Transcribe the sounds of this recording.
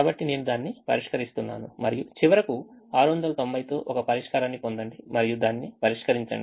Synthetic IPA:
kaːbɐʈːine̞ːnud̪aːnːipɐ̰ɾiʂkɐɾist̪unːa̰ːnumɐɾijut͡ʃiʋɐɾɐkuaːɾuʋɐnd̪ɐlɐt̪o̞mbɐjt̪o̞ːʔɔkɐpɐɾiʂkɐɾaːnːipond̪ɐɳɖimɐɾijud̪aːnːipɐɾiʂkɐɾiɲt͡ʃɐ̰ɳɖii

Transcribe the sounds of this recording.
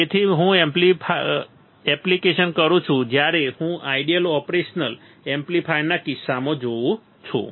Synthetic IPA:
et̪ʰiɦũempli | ɛplikeʃənkəɾũt͡ʃʰũd͡ʒjaɾehũʔaiɖijəlɔpɾeʃnəl | emplifʰajnakisːamõd͡ʒoʋũ | t͡ʃʰṵ̃

